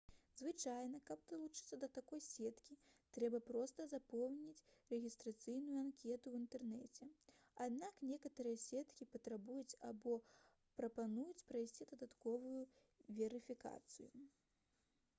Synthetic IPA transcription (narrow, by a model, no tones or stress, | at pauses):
zvɨt͡ʂajnɐkɐb̚d̪ɐlˠut͡ʂɨt̪sːɐd̪ɐt̪akɔjsʲɛt̪kʲit̪ɾɛbɐpɾɔst̪ɐzapɔwnʲit͡sʲrɛɣʲist̪ɾat̪sɨjnujuankʲɛt̪uwint̪ɛrnɛt͡sʲɛ | ad̪naknʲɛkɐt̪ɐɾɨjɐsʲɛt̪kʲipɐt̪ɾabujut͡sʲabɔ | pɾɐpanujut͡sʲpɾajsʲt͡sʲid̪ɐd̪at̪kɔvuju | vʲɛɾɨfʲika̰t̪sɨju